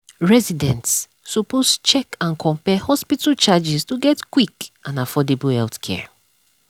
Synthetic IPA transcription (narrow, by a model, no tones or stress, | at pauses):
ɹɛzidɛ̃ntsː | ɔpost͡ʃɛkãnkʰɔ̃mpɛhɔspitat͡ʃad͡ʒistuɡɛtkwikãnafɔdebəhɛltkʰɛ̰